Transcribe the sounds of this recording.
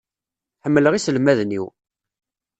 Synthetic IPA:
ħəmːələʁisəlmæðnḭw

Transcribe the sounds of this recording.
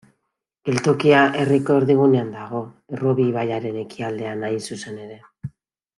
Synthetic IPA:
elt̪okiaʔe̞riko̞ɾðiɣ̞une̞and̪aɣ̞o̞ | roβiβajaɾe̞ne̞kiald̪e̞anajsuse̞ne̞ɾe̞

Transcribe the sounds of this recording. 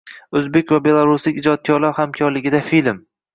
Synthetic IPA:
ɵzbekʲvabe̞lˠaɾuslɪkʲɪd͡ʒɒt̪̚kʰʲɒɾlaɾhamkʲʰɒɾlɪɡʲɪd̪afilm

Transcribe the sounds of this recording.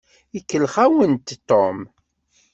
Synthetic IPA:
ikːəlχawənt̪t̪ːom

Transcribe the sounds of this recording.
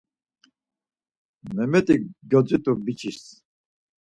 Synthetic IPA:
mɛmɛt̪ʼiɡɔd͡zit̪ʼubit͡ʃʰis

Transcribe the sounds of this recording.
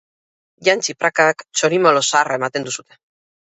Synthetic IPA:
ʝant͡ʃipɾakakt͡ʃo̞ɾimolosaːraemat̪end̪usut̪e̞̥

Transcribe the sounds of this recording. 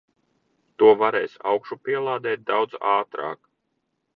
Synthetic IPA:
t̪uɔvaɾɛːjsa̰wkʃupiɛlˠɑːd̪ɛːt̪̚d̪awd̪zaːt̪ɾa̰ːk

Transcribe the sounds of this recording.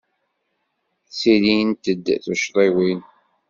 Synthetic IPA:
silint̪əd̪ːθuʃɾˤiwin

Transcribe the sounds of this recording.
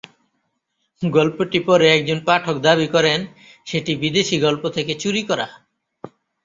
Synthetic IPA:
ɡɔlpoʈipɔɾeɛk̚d͡ʑonpaʈʰok̚d̪abikɔɾen | ʃeʈibid̪eʃiɡɔlpot̪ʰeket͡ɕuɾikɔɾa̰

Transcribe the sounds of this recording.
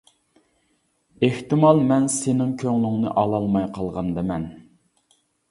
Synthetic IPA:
eht̪ɪmɑlˠmɛnsenɪŋkʲʰøŋlyŋnɨ̰ʔɑlˠɑlˠmɑjqʰɑlˠʁɑnd̪ɨmɛn

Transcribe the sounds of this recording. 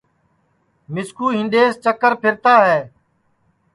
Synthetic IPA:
mɪskuːɦɪ̃nɗ̪eːst͡ʃəkəɾpʰɪɾt̪aːɦɛː

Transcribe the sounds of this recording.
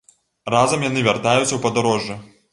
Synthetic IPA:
razɐmjanɨvʲart̪ajut̪ʲsʲɐwpɐd̪aɾɔʐːɛ

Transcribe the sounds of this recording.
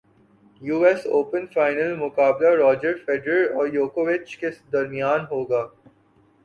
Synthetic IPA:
juːɛsoːpə̃nfaːɪnəlmʊkaːblaɾɔːd͡ʒəɾfeːɖɾəɾɔːɾjoːkoʋɪt͡ʃkesd̪ɐɾmijaːnɦoːɡaː

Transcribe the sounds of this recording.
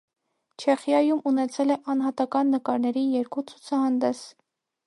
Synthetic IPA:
t͡ʃʰɛχjɑjumunɛt͡sʰɛlɛʔɑnɦɑt̪ɑkɑnːəkɑɾnɛɾijɛɾkut͡sʰut͡sʰɑhɑnd̪ɛs

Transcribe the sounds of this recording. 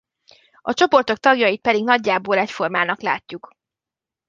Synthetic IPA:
ɒt͡ʃo̞po̞rt̪o̞k̚t̪ɒɡjɒjit̪̚pɛd̪iɡnɒɟːaːboːlɛcfo̞rmaːnɒkla̰ːcːuk

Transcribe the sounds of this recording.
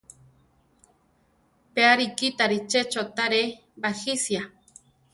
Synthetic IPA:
peaɾikit̪aɾit͡ʃet͡ʃot̪aɾe | baxisja

